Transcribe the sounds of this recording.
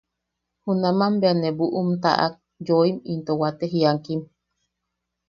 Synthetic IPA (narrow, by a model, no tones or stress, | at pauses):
hunamambeanebuʔumt̪a̰ʔa̰k̚ | joimint̪owat̪eɦiaŋkim